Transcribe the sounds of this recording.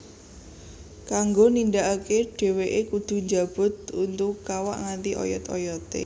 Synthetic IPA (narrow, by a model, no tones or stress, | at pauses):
kaŋɡonind̪aʔakeɖ̥e̤weʔekud̪̥ṳɲd͡ʒab̥ʊ̤t̪̚unt̪ʊkːawa̰ʔŋant̪iʔɔ̰jɔt̪ɔ̰jɔt̪ḛ